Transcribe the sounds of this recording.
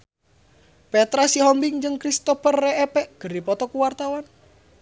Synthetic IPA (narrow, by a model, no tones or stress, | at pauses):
pɛt̪ɾasiɦɔmbɪŋd͡ʒɨŋkɾist̪ɔpərːeɛpɛʔɡ̥ə̤rdipɔt̪ɔkuwart̪awan